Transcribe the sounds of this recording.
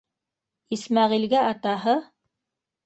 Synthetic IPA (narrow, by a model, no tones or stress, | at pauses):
ismɑʁilɡæɑt̪ɑɦɤ